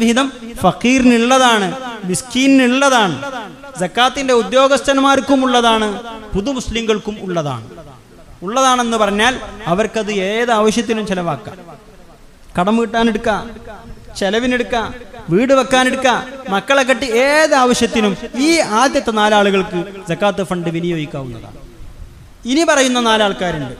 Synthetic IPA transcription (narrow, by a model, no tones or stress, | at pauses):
ʋiɦiðɐmfɐqiːriniɭːɐðaːɳɨmiskiːniniɭːɐðaːɳɨ | zɐkːaːt̪ːinde̞ud̪jo̞ːɡɐst̪ɐnɐmaːɾkːumuɭːɐðaːɳɨpuðumuslimɡɐɭkumuɭːɐða̰ːɳɨ | uɭːɐðaːɳe̞nːɨpɐrɐɲːaːlɐʋɐrkɐðɨeːðaːʋɐɕjɐt̪̬ːinumt͡ɕelɐʋaːkːa̰ːm | kɐɽɐmːkiʈːaːneɽukːa | t͡ɕelɐʋineɽukːaːʋiːɽɨʋɐkːaːneɽukːaːmɐkːɐɭekːɐʈːieðɨaːʋɐɕjɐt̪ːinumiːaːd̪jɐt̪ːɐnaːlaːɭuɣɐɭkɨd͡zɐkːaːt̪ːɨfɐɳɖɨʋinijo̞ːɡikʲːaːʋunːɐ̰ða̰ːðɳ | inipɐrɐjunːɐnaːlaːɭkaːɾuɳɖɨ